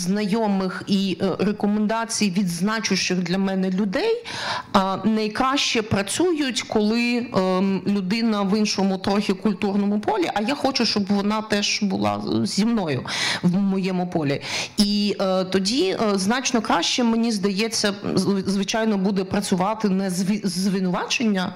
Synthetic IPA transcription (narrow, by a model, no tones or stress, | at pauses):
znɐjɔmɪxirekɔmend̪ɑt͡sʲijʋʲid̪znɑt͡ʃʊʃɪɣd̪lʲɐmɛnɛlʲʊd̪ɛj | nɐjkɾɑʃt͡ʃɛpɾɐt͡sʲujʊtʲkɔlˠɪ | lʲʊd̪ɪnɐʋɪnʃɔmʊt̪ɾɔxʲikʊlʲt̪urnɔmʊpɔlʲiʔɐjaxɔt͡ʃʊʃt͡ʃɔbʋɔnɑt̪ɛʒbʊlˠɑ̰zʲːimnɔjʊ̰ʋmɔjɛmʊpɔlʲiit̪ɔdʲiznɑt͡ʃnɔkɾɑʃt͡ʃɛmenʲizd̪ɐjɛt͡sʲːɐzʋɪt͡ʃɑjnɔbud̪ɛpɾɐt͡sʲʊʋɑt̪ɪnɐzʋʲɪzʋɪnʊʋɑt͡ʃenʲːɐ